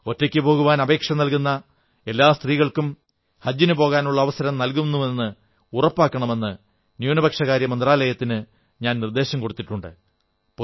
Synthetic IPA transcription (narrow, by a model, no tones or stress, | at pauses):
o̞tːɐkʲːɨpo̞ːɣuʋaːnɐbe̞ːkʂɐnɐlkunːɐ | e̞lːaːst̪riːɣɐɭkum | hɐd͡ʑːinupo̞ːɣaːnuɭːɐːʋɐsɐɾɐmnɐlk̬unːuʋe̞nːɨ | urɐpːaːkːɐɳɐme̞nːɨ | njuːnɐbɐkʂɐɣaːɾjɐmɐnd̪raːlɐjɐt̪ːinɨ | ɲaːnnird̪e̞ːɕɐmko̞ɽut̪ːiʈːuɳɖɨ̰ | p